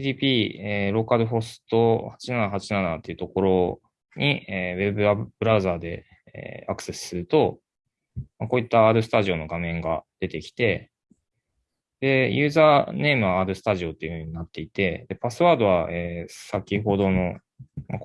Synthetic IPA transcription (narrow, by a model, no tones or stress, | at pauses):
id̪iːpʲiːeɾo̞ːkaɾɯ̟ɦo̞sɨ̥t̪o̞hat͡ɕinanaɦat͡ɕinanat̪ːe̞iɯ̟t̪o̞ko̞ɾo̞ | ɲ̟ieβe̞bɯ̟abɯɾaɯ̟zaːd̪e̞ | ḛakɯ̟̥se̞sɨ̥sɨɾɯ̟t̪o̞ | mako̞ːit̪ːaaːd̪o̞sɨ̥t̪aʑio̞nːo̞ɡamẽ̞ŋɡad̪̥e̞t̪e̞kʲi̥t̪e̞ | d̪̥e̞jɯ̟ːzaːne̞ːmɯ̟βaaːd̪o̞sɨ̥t̪aʑio̞t̪ːe̞iɯ̟hɯɯ̟ɲ̟inat̪ːe̞it̪e̞d̪e̞pasɨβaːd̪o̞βaeːsakʲiɦo̞d̪o̞no̞ | ma